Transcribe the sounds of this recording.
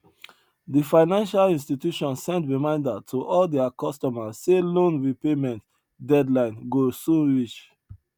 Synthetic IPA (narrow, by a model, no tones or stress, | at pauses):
difãɪnãnʃalĩnstitjuʃɔ̃nsɛ̃ntɹimãɪ̃ndatʰuʔɔldɛakɔstɔmasːelõnɹipemɛ̃nt | dɛdlãɪ̃nɡosũnɹit͡ʃ